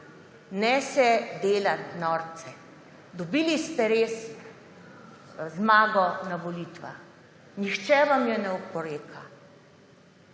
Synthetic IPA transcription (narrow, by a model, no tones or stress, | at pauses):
nɛːsɛd̪eːlat̪nɔːɾt̪sɛ | d̪ɔbiːlist̪ɛɾeːs | zmaːɡɔnaʋɔliːt̪ʋa̰x | nixt͡ʃɛʋamjɛnɛɔpɔɾeːkʰa